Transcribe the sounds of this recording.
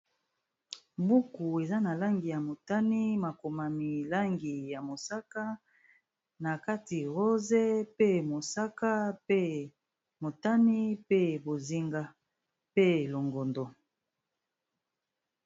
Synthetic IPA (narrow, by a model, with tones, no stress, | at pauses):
bu˦ku˨e˨za˦na˨la˦ŋɡi˨ja˨mo˨ta˦ni˦ma˨ko˨ma˨mi˨la˦ŋɡi˨ja˨mo˨sa˦ka˦ | na˨ka˦ti˨ʁo˦ze˦pe˦mo˨sa˦ka˦e˦ | mo˨ta˦ni˦pe˦bo˨zi˦ŋɡa˦ | pe˦˨lo˨ŋɡo˨ndo˨